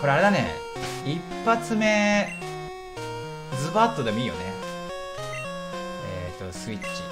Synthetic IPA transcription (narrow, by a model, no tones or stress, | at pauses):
ko̞ɾeaɾe̞d̪anḛ | ipːat͡sɨme̞ | d͡zɨbat̪ːo̞d̪e̞mo̞iːjo̞̰nḛ | et̪ːo̞sɨit͡ɕːi̥